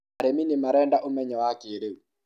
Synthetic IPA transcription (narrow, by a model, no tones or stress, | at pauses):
aɾeminimaɾɛndaʔomɛɲɛwakeɾeu